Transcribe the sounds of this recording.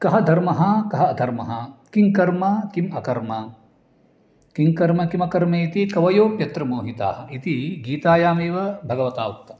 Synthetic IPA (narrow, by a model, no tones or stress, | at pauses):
kɐɦɐd̪ʱɐɾmɐɦɐkɐɦɐɐd̪ʱɐɾmɐɦɐkiŋkɐɾmɐkimɐkɐɾmɐ | kiŋkɐɾmɐkimɐkɐɾmeːit̪ikɐʋɐjoːpjɐt̪ɾɐmoːɦit̪a̰ːɦɐit̪iɡiːt̪aːjaːmeːʋɐbʱɐɡɐʋɐt̪aːwɐkt̪ɐ